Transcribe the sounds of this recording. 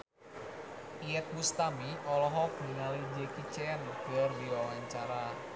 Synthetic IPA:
iɛt̪̚must̪amiʔɔlɔɦɔkniŋalid͡ʒekit͡ʃɛnɡ̥ardiɔlaɲt͡ʃaɾa

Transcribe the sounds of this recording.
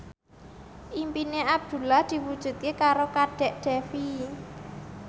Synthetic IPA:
ʔimpineab̚d̪̥ṳlahd̪̥i̤wud̥ʒ̥ṳt̪̚kekaɾokaɖ̥ɛ̤ʔɖ̥ɛfi

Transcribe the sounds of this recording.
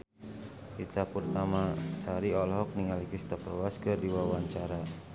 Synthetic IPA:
it̪apurt̪amasaɾiɔlɦɔk̚niŋalikist̪apɾɔwaskɨrdiwawaɲt͡ʃaɾa

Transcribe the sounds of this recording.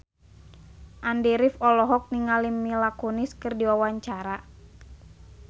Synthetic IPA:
ʔandɛɾifɔlɔɦɔk̚niŋalimːilakɔniskɨrdiwawaɲt͡ʃaɾa

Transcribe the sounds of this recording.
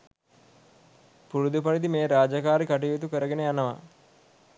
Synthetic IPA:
puɾud̪upɐɽid̪imeːɾaːd͡ʒɐkaːɾikɐʈijut̪ukəɾɐɡeneɐnɐʋɐ̰

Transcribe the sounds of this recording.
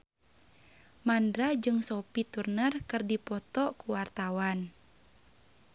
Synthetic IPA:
mandɾad͡ʒɨŋsɔpit̪urnərkɨrdipɔt̪ɔkuwart̪awan

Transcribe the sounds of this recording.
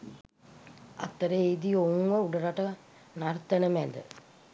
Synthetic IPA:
a̰t̪ːəɾeeid̪iouŋʋəuɖəɾaʈə | nart̪ənəmæd̪ə̰

